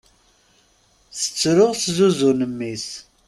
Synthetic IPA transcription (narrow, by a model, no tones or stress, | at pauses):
θə̥t͡sːɾʊʁszuzunəmːis